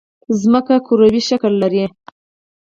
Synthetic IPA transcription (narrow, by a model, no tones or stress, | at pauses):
zməkakʰuɾawiʃaklːaɾe